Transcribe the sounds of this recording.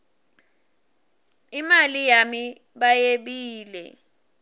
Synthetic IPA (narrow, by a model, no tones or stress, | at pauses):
imalijami | ɓajeɓiːlɛ̰